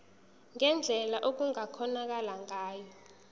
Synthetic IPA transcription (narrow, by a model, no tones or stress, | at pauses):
ŋɛnd͡ɮʱɛlaʔok̬uŋakʰɔnak̬alaŋaːjɔ